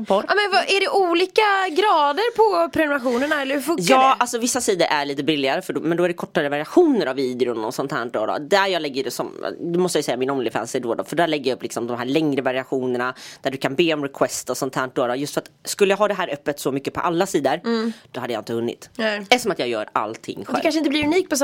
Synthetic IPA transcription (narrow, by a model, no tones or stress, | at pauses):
pɔmɛnvaæɖɛʔuːliːkaɡɾɑːd̪əɾpʰɔpʰɾɛnʊɾaɧuːnəɳaɛlːəɾfɵjɑːalsɔvɪsːasiːd̪əɾʔæɭiːt̪əbɪlːɪɡaɾəfœɖɔmɛnd̪ɔæɖɛkʰɔʈːaɾəvaɾɪaɧuːnəɾaviːd̪ɪʊnɔ̰sɔnt̪hæ̰ːɳʈ̚d̪o̰ːd̪ɔ̰d̪æjɑːɡlɛɡːəɖɛsɔm̰d̪ɵmɔst̪əjajʏsɛjːamɪnɔmnlɪɡfæ̰ːnsɪd̪oːd̪ɔfœɖæːɭɛɡːəjaɵpːlɪksɔmd̪ɔmɦæːɭɛŋɾəvaɾɪaɧuːnəɳad̪̥æɖɵkʰanbeːɔmɾɛkʰwɛst̪ɔsɔnt̪ʰhæːɳʈ̚d̪oːd̪ɔjɵst̪fœɾat̪skɵlːəjaɡɦɑːd̪ɛɦæːɾœpːət̪sɔmʏkːəpʰɔ̰ʔalːasiːd̪əɾd̪̥ɔhad̪ːjaːɪnt̪əhɵnːɪ̰t̪ɛsɔmat̪jɑːɡjœ̰ːɾa̰lt̪ʰɪ̰ŋːɧdɛlkanʂɪnt̪əlɪɾɵniːk̚pʰɔs